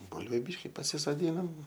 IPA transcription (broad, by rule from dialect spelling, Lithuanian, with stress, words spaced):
ˈbʊlʲʋʲʊ ˈbʲiːʃʲkʲɪ pɐsʲɪsoːˈdʲiːnɐm